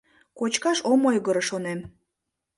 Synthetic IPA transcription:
kot͡ɕkɑʃomojɣəɾəʃonem

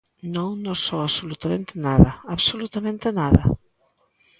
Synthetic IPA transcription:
nõŋnosoaβsolut̪amẽnt̪ɪnaðɐaβsolut̪amẽnt̪ɪnaðɐ̰

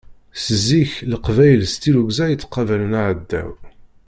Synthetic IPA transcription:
səzːiçləqvæjəlst̪iluɡzæjət͡sːqːɑvælənaʕəd̪ːæ̰w

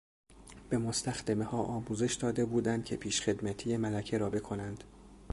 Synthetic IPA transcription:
b̥e̞most̪ʰæxd̪æme̞hɒːʔɒːmuːze̞ʃd̪ɒːd̪e̞buːd̪ænd̪̥̚cʰe̞pʰiːʃxe̞d̪mæt̪ʰijemælæcʰe̞ɾɒːbe̞kʰo̞nænd̪̥

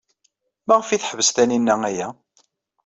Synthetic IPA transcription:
mæʁəfiθħəvəst̪æninːææjæ

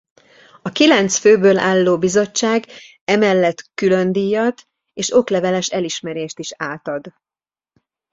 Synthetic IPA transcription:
ɒkilɛnt̪sføːbøːlʔa̰ːlːoːbizo̞t͡ʃːaːɡ | ɛmɛlːɛt̪kylø̞nd̪iːjɒt̪ | eːʃo̞klɛvɛlɛʃɛliʃmɛɾeːʃt̪iʃaːt̪ɒd̪

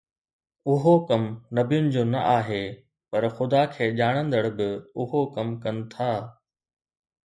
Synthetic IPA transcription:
ʊɦokɐmnɐbijʊnɪ̆d͡ʑoːnɐ̰ʔaːɦeː | pɐɾxʊd̪aːkʰeːʄaːɽ̃ə̃nd̪əɽbɪʊɦokɐmkɐnɪ̆t̪ʰaː

